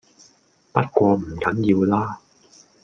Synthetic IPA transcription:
pɐ˦˥t̚kʷɔː˧m̩˨˩kɐ˨˥ŋjiː˧wlaː˥

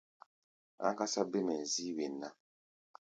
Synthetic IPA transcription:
a̰˦ka˦sa˦be˦mɛ˨n̩˨ziː˦we˨nːa˦

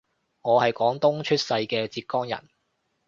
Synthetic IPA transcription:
ŋɔː˨˧hɐ˨jkɔː˨˥ŋt̪ʊ˥ŋt͡ʃʰɵ˥t̚sɐ˧jkɛː˧t͡siː˧t̚kɔː˥ŋjɐ̰˨˩n

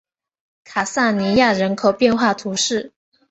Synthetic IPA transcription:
kʰa˨˩sa˥˩ni˧˥ja˥˩ɻə˧˥nkʰo˨˩ʊpjɛ˥˧nxwa˥˩t̪ʰu˧˥ʂɻ̩˥˩

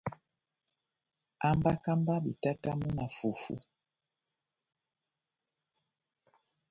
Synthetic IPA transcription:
a˦mba˦ka˦mba˦ɓi˨ta˦ta˦mu˦na˨fu˨fṵ˦

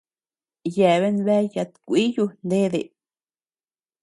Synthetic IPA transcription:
jɛ˨βe˦nbe˦ja˧t̪kʷi˦ju˧nd̪e˦d̪ḛ˨

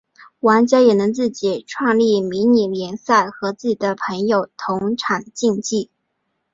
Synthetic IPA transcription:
wa˧˥nt͡ɕjɑ˥jɛ˨˩nɤ˧˥ŋt͡sɹ̩˥˩t͡ɕi˨˩ʈ͡ʂʰwɑ˥˧ŋli˥˩mi˧˥ŋni˨˩ljɛ˧˥nsa˥˩ɪxɤ˧˥t͡sɹ̩˥˩t͡ɕi˨˩d̪ə˦pʰɤ˧˥ŋjo˨˩ʊt̪ʰʊ˧˥ŋʈ͡ʂʰa˨˩nt͡ɕi˥˧ŋt͡ɕi˥˩

